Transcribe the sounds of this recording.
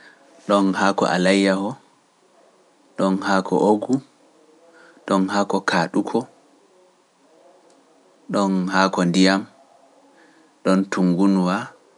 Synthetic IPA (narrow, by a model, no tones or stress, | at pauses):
ɗɔnhakɔ̰ʔa̰lajːahɔ | ɗɔnhakʰɔ̰ʔoɡu | ɗɔnhaːkɔkaːɗukʰɔ | ɗɔnhaːkɔndijam | ɗɔntuŋɡunwa